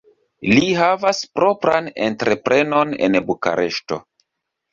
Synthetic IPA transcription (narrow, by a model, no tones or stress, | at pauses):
liɦavaspɾo̞pɾane̞̰ntɾe̞pɾe̞no̞ne̞̰nbuka̰ɾʔe̞ʃto̞̰